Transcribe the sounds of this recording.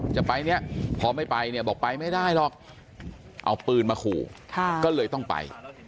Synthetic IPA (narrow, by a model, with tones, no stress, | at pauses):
t͡ɕa˨˩pa˧jni˦˥ɐpʰɔː˧ma˥˩jpa˧jni˧˩ɐbɔː˨˩k̚pa˧jma˥˩jdaː˥˩jlɔ˨˩k̚ | ʔa̰˧wpɯː˧nmaː˧kʰuː˨˩kʰa˧kɔː˥˩lɤː˧jt̪ɔ˥˩ŋpa̰˧j